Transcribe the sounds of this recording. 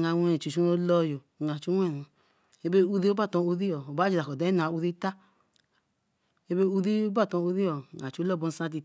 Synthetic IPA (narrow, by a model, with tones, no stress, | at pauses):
ŋa˧wɛ˧n˨t͡ʃu˨t͡ʃu˦no˧lɔ˧jo˨ŋa˨t͡ʃu˦ɛ˦˨nu˨˧ | e˧be˦u˧ði˦o˦a˦˨tɔ̃˧o˧ði˦jɔ˨o˨ba˨˦d͡ʒi˧ɾa˨kɔ˨da˨˦nu˨˧a˧˨u˧ði˦ta˦ | e˧be˦u˧ði˦o˦ba˦˨tɔ˧o˧ði˦ɔ˨ŋa˨t͡ʃu˨˦lɔ˦˨bo˧n̩˦sã˧˦t̬i˧